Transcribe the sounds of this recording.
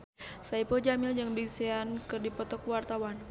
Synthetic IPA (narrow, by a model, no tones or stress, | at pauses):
saipɔd͡ʒamɪld͡ʒaŋbiseankɨrdipɔt̪ɔkwart̪awan